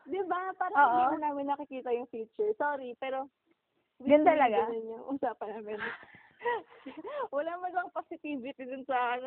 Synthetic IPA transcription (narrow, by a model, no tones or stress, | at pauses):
d̪ɪbapaːɾɐoːʔiɐnaːmɪnːɐkɪkiːt̪ɐjʊŋfiːt͡ʃʊɹsoːɾipɛːɾo | dɡnɐlɐɡɐnʊnjʊŋʔuːsaːpɐnaːmɪn | wɐlamɐɡɐŋposɪt̪iːvɪt̪ɪd̪ʊnsɐn